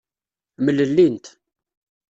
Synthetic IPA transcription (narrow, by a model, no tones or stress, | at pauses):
məlːəlːint̪